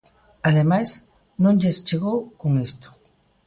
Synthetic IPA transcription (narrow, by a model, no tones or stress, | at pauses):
aðemas | nonʎest͡ʃɪɣokʊŋɪst̪ʊ̥